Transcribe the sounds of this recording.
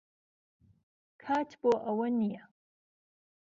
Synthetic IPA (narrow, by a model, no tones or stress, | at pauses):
kʰaːt̪ʰboːʔɐwɐnijɐ